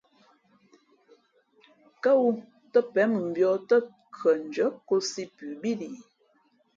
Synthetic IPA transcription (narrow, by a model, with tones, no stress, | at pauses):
kə˦wu˦ | tə˦pɛ˨˦mə˨m̩˨bjɔ˨˦tə˦ | kʰə˨n̩˨d͡ʒə˨˦ko˦si˦pʉ˨bi˦li˨